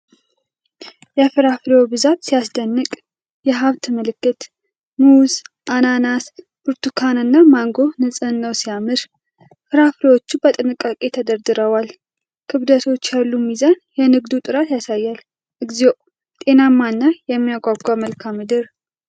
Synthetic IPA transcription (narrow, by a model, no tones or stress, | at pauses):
jɛfɨɾafleobɨzat̪sijasd̪ənːɨkʼ | jɛɦaβt̪məlɨkːɨt̪ | muz | ʔananas | bɨɾt̪ukʰanɨnːamaŋɡo̞nɨsʼənːəwsijamɨɾ | fɨɾaflewot͡ʃːubət̪ʼɨnɨkʼːakʼe̞t̪ʰəd̪əɾd̪ɨɾəwal | kʰɨβd̪ət̪ʰo̞t͡ʃːjalːumizanjɛnɨɡd̪ut̪ʼɨɾat̪jasajːal | ʔɨɡzio | t̪ʼe̞namːanːajɛmːijaɡʷʼaɡʷaməlkʰamːɨd̪ɨɾ